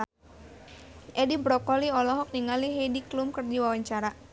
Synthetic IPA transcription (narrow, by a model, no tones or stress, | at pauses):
ʔɛdibɾɔkɔliɔlɔɦɔk̚niŋaliɦejdiklumkɨrdiwawaɲt͡ʃaɾa